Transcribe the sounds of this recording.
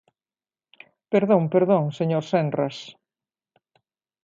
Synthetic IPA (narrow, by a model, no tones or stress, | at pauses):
peɾðõŋpeɾðõŋseɲoɾsɛndras